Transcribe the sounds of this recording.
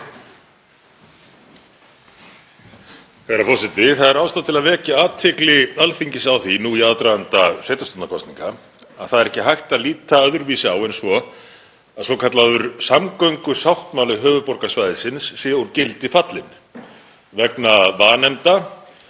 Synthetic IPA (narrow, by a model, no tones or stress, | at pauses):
fɛɾafɔsɪt̪ɪθaðɛɾawst̪at̪ʰɪlaðvɛːcaaːt̪ʰːɛklɪalθiɲcɪsawθinuiaðt̪ɾaðant̪asvɛːjt̪ast̪ɔnnakʰɔst̪niŋka | a̰ðθaðɛɾɛhcɪɦajht̪aðliːt̪aœðʏɾviːsɪawɛnsvɔ | aðsɔkʰat̪laðʏɾ̥samkœɥŋkʏsawht̪maːlʏɦœːvʏpɔɾkasvajðɪsɪnsːjɛuɾcɪlt̪ɪfat̪lɪn | vɛknavaːnɛmt̪a